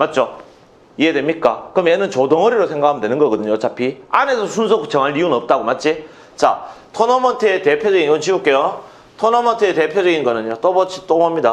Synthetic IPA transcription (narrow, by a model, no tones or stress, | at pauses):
mat̚t͡ɕ͈o | iedwe̞mɲik͈akɯɾʌmjenɯnt͡ɕodoŋʌɾiɾosʰe̞ŋɡakʰamndwe̞nɯnɡʌɡʌdɯɲoːt͡ɕʰapʰiane̞sʰʌsʰunsʰokut͡ɕʰʌŋɦaɭːiunɯʌp̚t͈aɡomat̚t͡ɕ͈i | t͡ɕa̰ | tʰonomʌntʰete̞pʰjod͡ʑʌɡinʌnt͡ɕiuk͈ejo | tʰonomʌntʰeete̞pʰjod͡ʑʌɡinɡʌnɯɲot͈obʌt͡ɕʰi̥t͈omamɲida